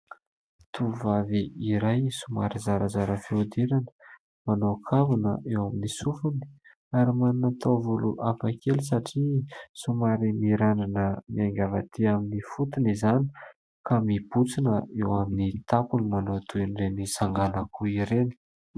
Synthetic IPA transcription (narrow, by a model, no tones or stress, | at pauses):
t̪ʰuvaviiɾajsuma̰ɾizaɾəzaɾəfeud̪iɾanə̥ | manokʰavunə̰ʔewaminisufuni̥ | aɾimannat̪ʰavuluʔafakʰelis̬aʈ͡ʂisumaɾimiɾananəmiaŋɡʲavat̪ʰiaminifut̪unizani̥ | kamib̥ut͡sinəewaminit̪akunimanot̪ʰuiɳɖ͡ʐenizaŋɡanakuiɾeni̥